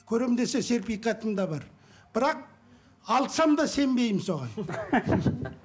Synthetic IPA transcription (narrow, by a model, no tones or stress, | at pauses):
kʲʰɵɾed̪e̞se̞se̞ɾpijkɑt̪əmd̪ɑbɑɾ | b̥ɪɾɑq̚ | ɑlˠsɑmd̪ɑse̞mbe̞jɪmso̞ʁɑ̰n